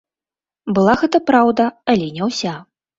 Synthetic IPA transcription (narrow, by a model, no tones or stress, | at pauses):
bɨlˠaɣɛt̪ɐpɾawd̪ɐalʲɛnʲɛwsʲa